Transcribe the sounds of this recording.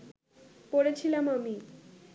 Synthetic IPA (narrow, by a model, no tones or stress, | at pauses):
poɽet͡ɕʰilamami